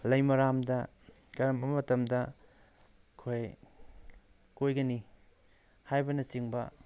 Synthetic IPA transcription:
lɐjmɐɾamdɐ | kɐɾɐmbɐmɐtɐmdɐ | kʰoj | kojɡɐni | hajbɐnɐsiŋbɐ

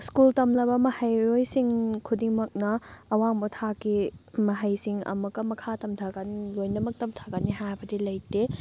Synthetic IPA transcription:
skultɐmlɐbɐmɐhɐjɾojsiŋkʰudiŋmɐk̚nɐːwaŋbotʰakimɐɦɐjsiŋɐ̰mɐkɐmɐkʰatɐmtʰaɡanilojnɐmɐk̚tɐmtʰḁɡaniɦajbɐdilɐjte

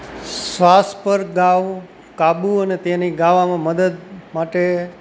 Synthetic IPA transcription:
sʋaspəɾɡaʋ | kabuənet̪eniɡaʋamãməd̪əd̪maʈe

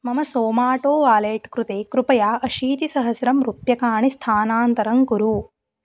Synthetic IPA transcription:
mɐmɐsoːmaːʈoːʋaːleːʈkɾut̪eːkɾupɐjaːʔɐʃiːt̪isɐɦɐsɾɐmɾupjɐkaːɳist̪ʰaːnaːnt̪ɐɾɐŋkuɾuː

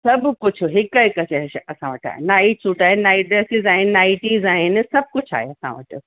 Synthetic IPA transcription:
sɐbkʊd͡ʑʰʱʊɦɪkːɐikɐt͡ʃʰaɦɐsãʋɐʈʰa̰ːɦḛnaːit͡ʃuːʈaːɦenaːiɖɾɛːsɪzaːɦɪnnaːɪʈiːzaːɦɪnɪ̆sɐb̚kʊt͡ɕʰa̰ːɦeɐsã̰ʋə̰ʈɨ

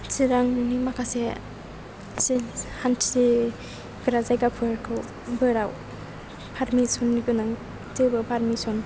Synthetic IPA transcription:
t͡ʃʰiɾaŋnimakʰase | sihantʰi | ɡ̥ɾazajɡapʰɯɾkʰɯw | bɯɾaw | pʰaɾmisɔnːiɡɯnaŋ | tɯbɯpʰaɾmisɔn

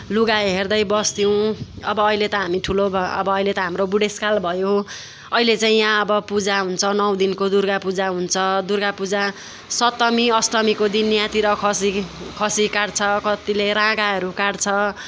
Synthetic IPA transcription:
luɡaeɦerd̪ʌjbʌst̪iw̃ʌbʌːilet̪ʌɦamiʈʰulobʌ̰bʌːilet̪ʌɦamrobuɽeskalbʱʌjo | ʌilet͡saĩjãʌbʌpud͡zaɦunt͡sʰʌnʌw̃d̪inkod̪urɡapud͡zaɦunt͡sʰʌd̪urɡapud͡za | sʌt̪ːʌmiʌsʈ̪ʌmikod̪injãt̪iɾʌkʰʌsikʰʌsikaɽt͡sʰʌkʌt̪ileɾãɡaɦʌɾukaɽt͡sʰʌ

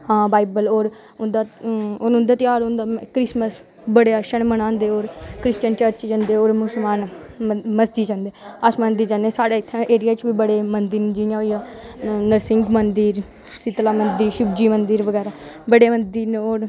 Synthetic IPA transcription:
ãːbaːibəloːɾ | ʊnd̪aːonʊ̃nd̪aːt̪ɪjaːɾõnd̪aːmkɾɪsməs | bəɽeːəʃənmənãːnd̪eːoːɾkɾɪst͡ʃənt͡ʃəɾt͡ʃt͡ʃənd̪eːoːɾmʊsəlmaːn | məsd͡ʒiːt͡ʃə̃nd̪eːəsmãnd̪iːd͡ʒãːneːsaːɽaːɪt̪ʰːãʔeːɾɪjaːt͡ʃbiːbəɽeːmənd̪iɾnːd͡ʒijãoiaːnəɾsɪŋɡmənd̪iːɾ | sɪt̪laːmənd̪iːʃʊbd͡ʒiːmənd̪iːɾʋəɡɛːɾaː | bəɽeːmənd̪iːɾneoːɾ

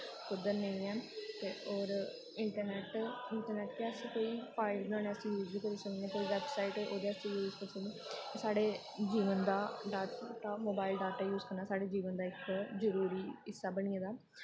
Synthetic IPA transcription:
kʊd̪əɾnə̃ĩːɛːt̪eːoːɾ | ɪɳʈəɾnɛːʈɪɳʈəɾnɛːʈkːəsĩːkoːiːpʰaːɪlnãːnẽːəsĩːjuːzʋiːkəɾesəkẽːk̪oiʋɛːbsaːɪʈo̰ːd̪eːəsĩjuːzkəɾsəɡnẽ | esaːɖeː | d͡ʒiːʋənd̪aːɖaːɾʈːʈamoːbaːɪlɖaːɾʈɛːjuːzkəɾnaːsaːɖeːd͡ʒiːʋənd̪aːɪkzəɾuːɾiːɪsːaːbəɽ̃iːãːd̪aː

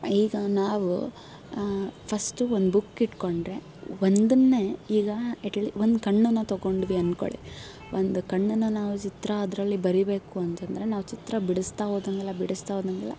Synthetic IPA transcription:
iːɡɐnaːʋu | pʰɐsʈuond̪bukːiʈko̞ɳɖɾe̞ | ʋond̪ɐnːe̞iːɡɐeʈliʋond̪kɐɳːunːɐt̪ɐɡo̞ɳɖʋiɐnko̰ɭḭ | ʔond̪ukɐɳːunːɐnaːʋut͡ʃit̪ɾɐːd̪ɾɐlːibɐɾibe̞ːkuɐnt̪eːnd̪ɾe̞naːʋut͡ʃit̪ɾɐbiɽust̪aʋoːd̪ɐŋɡɐlːɐbiɽust̪aːʋoːd̪ɐŋɡɛlːɐ̰

